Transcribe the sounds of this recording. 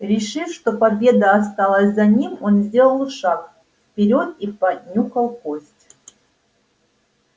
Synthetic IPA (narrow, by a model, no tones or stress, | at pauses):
ɾʲɪʂɨfʂt̪o̞pɐbʲe̞d̪əːst̪alˠəsʲzɐnʲimo̞nzʲdʲe̞lˠəlˠʂak | fpʲɪɾʲo̞t̪̚ipɐdʲnʲukɐlˠkosʲtʲ